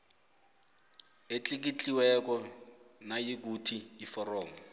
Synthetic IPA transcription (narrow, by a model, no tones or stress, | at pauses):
et͡ɬʼik̬it͡ɬʼiwɛk̬ɔnajik̬utʰiːfɔrɔːmɔ